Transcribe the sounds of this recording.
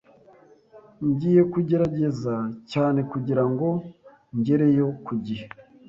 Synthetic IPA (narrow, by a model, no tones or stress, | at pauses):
ɲɟiːje̞kuɟe̞ɾaɟe̞zacaːne̞kuɟiɾaŋɡo̞ | ɲɟe̞ɾe̞jo̞kuɟihe